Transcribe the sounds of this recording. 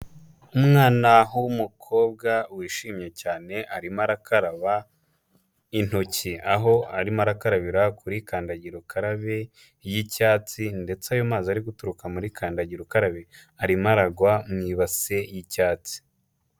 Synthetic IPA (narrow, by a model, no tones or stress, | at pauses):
umŋaːnaɦuwumukʰo̞ːb̚ɡawiːʃiːmɲe̞caːne̞ʔaɾimaɾakaɾaβa | in̥ociaɦo̞aɾimaɾakaɾaβiɾakʰuɾikaːndaɟiɾokʰaɾaβe | jicaːt͡sinde̞t͡sajomaːziaɾiɡutuɾukamuɾikʰaːndaɟiɾokaɾaβe | aɾimaɾaɡwamŋiːβase̞jicaːt͡si̥